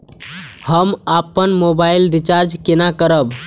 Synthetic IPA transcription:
həmapənmobailɾit͡ʃaɾd͡ʒkenakəɾəb

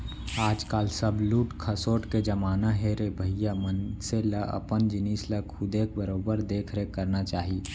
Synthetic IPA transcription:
aːd͡ʒkaːlsəbluːʈkʰəsoːʈked͡ʒəmaːnaɦeɾebʱəɦijamənseləʔə̰pənd͡ʒɪniːsləkʰʊd̪eːk̚bəɾoːbəɾd̪eːkʰɾekəɾnat͡ʃaːɦi

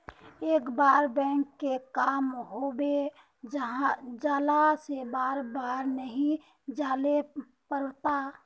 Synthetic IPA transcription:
eːkbaːɾbɛ̃ːŋkːekaːmɦobe | d͡ʒɦãd͡ʒaːlasebaːɾbaːɾnəɦĩ | d͡ʒaːle | pəɾt̪a

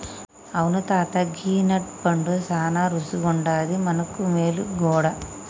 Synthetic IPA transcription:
ɐʋɐnut̪aːt̪ɐɡiːnɐʈ̚pɐɳɖusaːnaːɾusuɡɔɳɖaːd̪imɐnɐkːumeːluɡɔːɽa

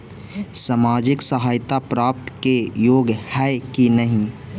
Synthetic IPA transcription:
samaːd͡ʒɪksəɦaːjt̪apɾaːp̚t̪kejoːɡhɛkinəɦĩ

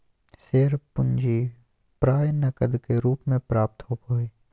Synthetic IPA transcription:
seːɾpʊ̃nd͡ʒi | pɾaːjnɐkəd̪keɾuːpmẽpɾaːp̚t̪ɦoːpɦoːiː

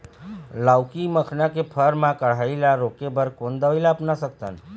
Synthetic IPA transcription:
lawkiməkʰnakepʰəɾmãkəɽ̤ailaɾokebəɾkond̪əʋilapnasək̚t̪ə̰n

